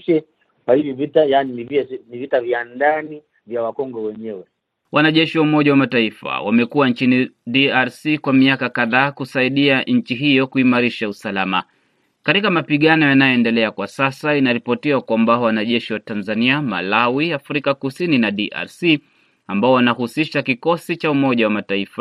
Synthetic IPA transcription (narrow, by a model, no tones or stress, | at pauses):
ʃɛ | kwahivivitajaninivinivitavjandani | vjawakɔŋɡɔwɛɲɛwɛ | wʔanaʄɛʃiwaumɔʄawamataifa̰wa̰mɛkuwant͡ʃinidiaɾsikwamiakakaðaːkusaiɗiaɲ̩t͡ʃiɦijɔkuimaɾiʃausalama̰ | katikamapiɠanɔjanajɔɛndɛlɛakwasasainaɾipɔtiwakwambawanaʄɛʃiwatanzaniama̰lawiafɾikakusininaɗiʔa̰ɾsi | ambaɔwanahusiʃakikɔsit͡ʃaumɔʄawamataifa